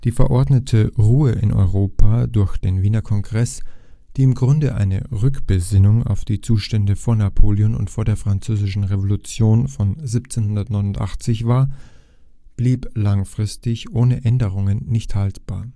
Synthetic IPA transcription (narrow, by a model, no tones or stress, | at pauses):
d̥iːfɛɐʔɔɐdnətʰəʁuːəʔɪ̰nʔɔ̰ʏʁoːpʰaːdʊɐçd̥eːnviːnɐkʰɔŋɡʁɛs | d̥iːɪmɡʁʊndəʔa̰ɪnə̰ʁʏkb̥əzɪnʊŋa̰ʊfd̥iːt͡suːʃtɛndəfoːɐnapʰoːljonʊ̰ntfoːɐdeːɐfʁ̥ant͡søːzɪʃn̩ʁevolut͡sjoːnfɔnziːpt͡seːnhʊndɐtnɔʏnʊntʔa̰χt͡sɪçv̥aːɐ | b̥liːplaŋfʁ̥ɪstɪçʔoːnəʔɛndəʁ̞ʊŋənːɪçthaltb̥a̰ːɐ